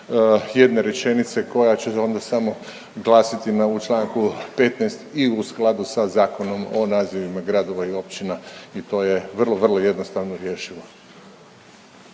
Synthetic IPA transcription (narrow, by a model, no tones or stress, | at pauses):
jed̪ne̞ɾet͡ʃe̞nit̪se̞ko̞jat͡ɕeo̞nd̪asamo̞ | ɡlˠaːsit̪inaut͡ʃlˠaːŋkupe̞t̪najst̪iusklˠad̪usazaːko̞no̞mo̞̰naːziʋimaɡɾad̪o̞ʋaio̞pt͡ʃinait̪o̞ːjeʋr̩lˠoʋr̩lˠoje̞d̪no̞st̪aʋnoɾje̞ːʃiʋo